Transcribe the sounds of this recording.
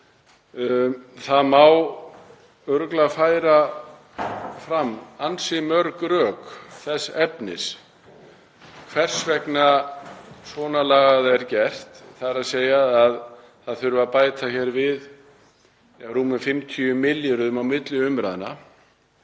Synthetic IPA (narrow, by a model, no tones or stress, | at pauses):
θaðmaw | œɾklafaːjɾa | fɾamːansɪmœɾkɾœːkθɛsɛpnɪ̰s | kʰvɛr̥svɛkna | svɔːnalaːɣaðɛɾcɛr̥t̪θaɾaseːjaað | θaðθʏɾvʏvaðpaːjt̪açɛːɾvɪð | aɾuːmʏfɪmt̪ʰyʏmɪljaɾʏðʏmawmɪt̪lɪʏmɾaðɪna̰